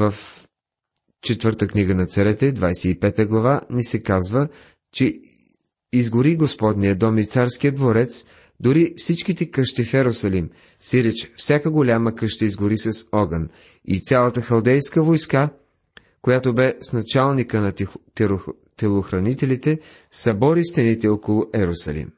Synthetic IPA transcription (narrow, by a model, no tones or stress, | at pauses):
vɐf | t͡ʃɛt̪vɤɾt̪əkniɡənɐt̪sɐɾɛt̪ɛd̪vajsɛipɛt̪əɡlˠɐvanisɛkazvə | t͡ʃɛ | izɡʊɾiɡospɔd̪nijəd̪ɔmit̪saɾsk̟ijəd̪voɾɛt̪s | d̪ʊɾifsit͡ʃk̟it̪ɛkəʃt̪ifɛɾosɐlim | siɾɛt͡ʃfsʲakəɡolʲaməkɤʃt̪əizɡʊɾisɐsɔɡən | ḭt̪sʲalˠət̪əxɐlˠd̪ɛjskəvojska | kojat̪obɛsnɐt͡ʃalˠnikənɐt̪ | t̪ɛlˠoxɾɐnit̪ɛlit̪ɛ | sɐbɔɾist̪ɛnit̪ɛɔkolˠʊʔɛɾosɐ̰lḭm